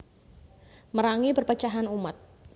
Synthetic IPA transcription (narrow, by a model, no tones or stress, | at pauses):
məɾaŋipərpət͡ʃaɦanumat̪̚